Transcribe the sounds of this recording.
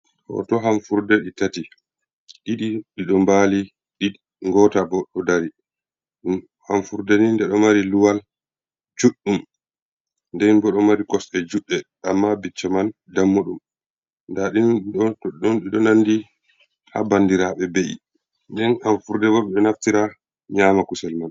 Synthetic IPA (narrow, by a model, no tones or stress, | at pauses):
hɔ̰tɔɦamfuɾdɛɗitati | ɗiɗiɗiɗɔmbali | ɗi | ŋɡɔtabɔɗɔdaɾi | ɗum | hamfuɾdɛnindɛɗɔmaɾiluwal | d͡ʒuɗːum | ndɛnbɔɗɔmaɾikɔsɗɛd͡ʒuɗːɛ | amːabit͡ʃːɔman | damːoɗum | ndaɗinuniɗɔɗɔnɗiɗɔnanːdi | ha̰bandiɾaɓɛbeʔḭ | ndɛnanfuɾdɛbɔɓɛɗɛnaftiɾa | ɲaːmakusɛlman